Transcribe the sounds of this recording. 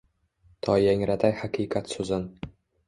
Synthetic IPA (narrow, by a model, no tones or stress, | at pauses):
t̪ʰɒjaŋɾat̪ʰajhaqiːqʰat̪sɵzɪn